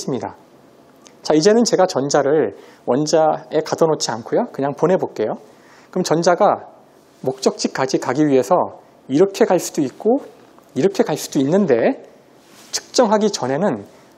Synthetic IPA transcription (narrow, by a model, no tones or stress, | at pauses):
s͈ɯmɲida̰ | t͡ɕaid͡ʑe̞nɯnt͡ɕe̞ɡat͡ɕʌnd͡ʑaɾɯɭ | wʌnd͡ʑae̞kadʌnot͡ɕʰiankʰojokɯɲaŋponɦe̞bok͈e̞jo | kɯmt͡ɕʌnd͡ʑaɡa | mok̚t͡ɕ͈ʌk̚t͡ɕ͈ik̚k͈ad͡ʑikaɡiɥiɦe̞sʰʌ | iɾʌkʰe̞kaɭs͈udoik̚k͈o | iɾʌkʰe̞kaɭs͈u̥doinːɯnde̞ | tʰɯ̥k̚t͡ɕ͈ʌŋɦaɡit͡ɕʌnɦe̞nɯn